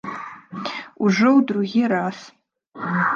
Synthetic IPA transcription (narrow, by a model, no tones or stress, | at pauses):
uʐɨwdruɣʲiɾas